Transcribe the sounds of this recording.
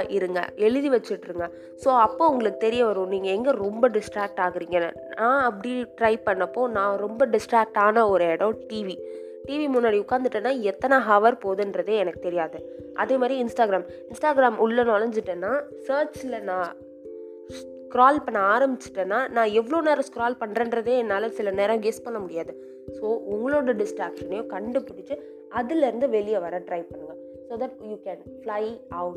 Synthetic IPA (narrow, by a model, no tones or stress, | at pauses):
ʔɪɾɯŋɡɐ̰ɛɭɯðiʋɐt͡ʃːɯʈːɾɯŋɡɐ | soːɐpːoːʊŋɡɐɭɯkːɯ̥t̪ɛɾɪjɐʋɐɾõniːŋɡɐɛŋɡeɾɔmbɐɖɪsʈɾaːk̚ʈaːɣɯɾiːŋɡɐn̰ | nãːɐpːɐɽiʈɾɐɪpɐɳːɐpːoːnãːɾɔmbɐɖɪsʈɾaːk̚ʈaːnɐɔɾɯɛɽɐ̃ʈiːʋi | ʈiːʋimʊnːaːɽiʊkːaːnd̪ɯʈːenːaːɛt̪ːɐnɐɦaːʋɐɾpoːðɯnɾɐðeːɛnɐkːɯ̥t̪ɛɾɪjaːðɯ | ʔɐðeːmaːd̪ɾiɪnsʈaːɡɾaːm | ɪnsʈaːɡɪɾaːmʊɭːɐnoːlɐɲd͡ʒɪʈːeːnːaːsɐːɾt͡ʃɪlɐnãː | kɪɾaːlpɐɳːɐaːɾɐmbɪt͡ʃːɪ̥ʈːenːaːnãːɛʋːɐɭoːneːɾɐ̃skɾaːlpɐɳɾɐnɾɐðeːɛnːaːlɐsɪlɐneːɾãɡɛspɐɳnːɐmʊɽɪjaːðɯ | soːʊŋɡɐɭoːɽɐɖɪsʈɾaːkʂɐnjõːkɐɳɖɯpʊɽɪt͡ʃːɯ | ɐðɪlɛɾɯnd̪ɯʋɛlɪjɐʋɐɾɐʈɾɐɪʋpɐɳːɯŋɡɐ | soːd̪ɐʈ̚juːkɛn | flɐɪɐʊʈ